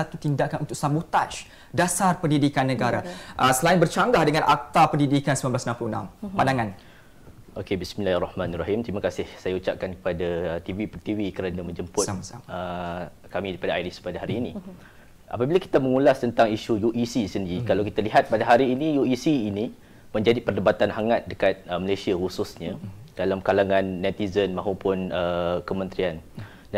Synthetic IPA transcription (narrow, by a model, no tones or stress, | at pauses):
at̪ut̪indakanʔunt̪ʊkʔsabut̪aʃ | dasarpəndidikanːəɡaɾaʔəsəlaɪnbərt͡ʃaŋɡahdəŋãnʔa̰k̚t̪apəndidikansəmamblasnampluhnã̰mpandaŋan | ʔokebisminlahrɑhmãnraɦimt̪ɾimakasɪhsajaut͡ʃap̚kankə̥padat̪ivipərt̪ivikəɾanamə̃ɲd͡ʒəmpʊtmsa̰əkamidaɾipadaajlispadaɦaɾiːnĩ | ʔa̰pabilaki̥t̪aməŋũlast̪ənt̪aŋiʃujuʔisisəndiɾikalawkit̪aliɦat̪̚padaɦaɾiːnijuisiːni | mə̃ɲd͡ʒadipərdəbat̪anɦaŋat̪̚dəkat̪̚əməlesiahususɲad̥alamkalaŋãnːɛ̃t̪izənmãɦopʊnəkəmə̃nt̪ɾian | da